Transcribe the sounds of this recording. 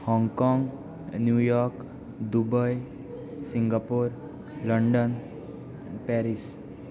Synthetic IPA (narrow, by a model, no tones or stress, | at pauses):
hɔ̃ŋɡkɔŋɡ | njujɔɾk | d̪ubəj | siŋɡapoɾ | ləɳɖən | pɛɾis